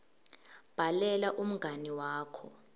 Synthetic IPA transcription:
b̥ʱalɛlaʔum̩ɡʱaniwaːkʰɔ

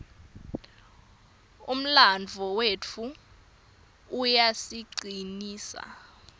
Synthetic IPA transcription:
um̩land͡vʱɔwet͡fʰu | jasiɡ͡ǀiniːsa̰

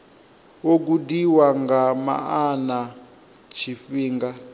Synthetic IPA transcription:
wok̬udiwaŋɡama̰ana | t͡ʃʰifiːŋɡa

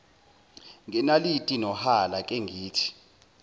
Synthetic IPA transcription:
ŋɛnalitʼinɔhalakʼɛŋɡʱiːtʰi̥

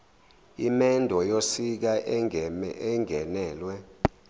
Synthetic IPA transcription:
imɛndʱɔjosik̬aʔ | ɛŋɡʱɛnɛːlwɛ

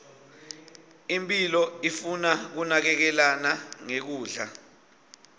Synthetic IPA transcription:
impʼilɔifunak̬unak̬ɛk̬ɛlanaŋek̬uːɮa

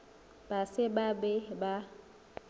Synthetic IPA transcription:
b̥asɪbabɛba

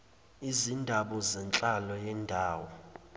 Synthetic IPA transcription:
izindʱaɓɔzɛnt͡ɬʼalɔjɛndʱaːwɔ

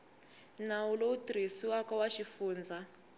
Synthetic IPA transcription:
nawuloutɾisiwakawaʃifuːnd͡zʱa

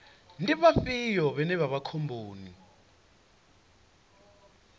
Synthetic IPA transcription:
ndʼiɓafijɔɓɛnɛβaβakʰombʱoːni

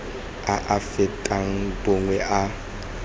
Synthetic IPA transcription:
aʔafɪtʼaŋ̩bʊŋwɛʔa

